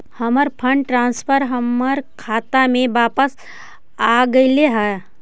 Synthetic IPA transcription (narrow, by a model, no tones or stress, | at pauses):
həməɾpʰəɳɖʈɾãnspʰəɾɦəməɾkʰat̪amẽʋapəs | aɡəjleɦə